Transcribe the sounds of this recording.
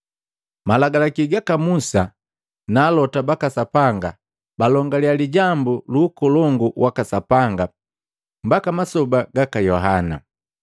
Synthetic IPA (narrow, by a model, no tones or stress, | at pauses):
malaɡalakiɡakamusa | naːlɔtabakasapaŋɡa | balɔŋɡalialiɟambuluːkɔlɔŋɡuwʔakasapaŋɡa | mbakamasɔbaɡakajɔɦana̰